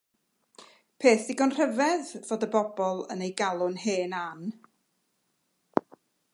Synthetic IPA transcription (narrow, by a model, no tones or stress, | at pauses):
pʰeːθdɪɡɔnr̥əvɛðvoːdəbɔbɔlˠə̰nejɡalˠʊnheːnan